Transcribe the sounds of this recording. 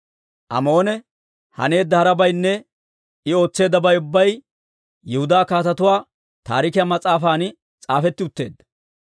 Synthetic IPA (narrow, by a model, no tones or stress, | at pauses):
ʔɐ̰mo̞ːnɛ | hɐ̰ne̞ːd̪ːɐhɐɾɐbɐjnːɛ | ɪo̞ːt͡sːe̞ːd̪ːɐbɐjʊbːɐj | jɛhʊd̪aːkaːt̪ɐt̪ʊwaː | t̪a̰ːɾɪkɪjɐmɐt͡sʼaːfaːn | t͡sʼaːfɛt̪ːɪʊt̪ːe̞ːd̪ːɐ